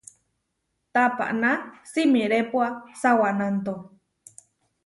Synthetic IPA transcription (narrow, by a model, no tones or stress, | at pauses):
t̪apa̰ʔnasimiɾepuasawanant̪o